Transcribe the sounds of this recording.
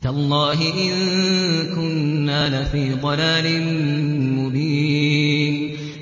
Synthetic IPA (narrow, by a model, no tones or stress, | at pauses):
t̪aʔlˤːɑːɦɪʔɪnkʊnːaːlafiːd̪ˤɑlaːlɪnmʊbiːn